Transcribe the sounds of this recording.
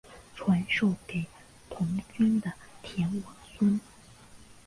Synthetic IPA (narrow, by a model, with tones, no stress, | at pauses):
ʈ͡ʂʰwa˧˥nʂo˥˩ʊke˨˩ɪ | t̪ʰʊ˧˥ŋt͡ɕy˥nd̪ə˨t̪ʰjɛ˧˥nwɑ˨˩ŋswə˥n